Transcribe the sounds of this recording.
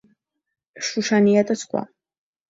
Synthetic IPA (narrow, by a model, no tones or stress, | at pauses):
ʃuʃanijat̪ʼɐsʰχʷʼa̰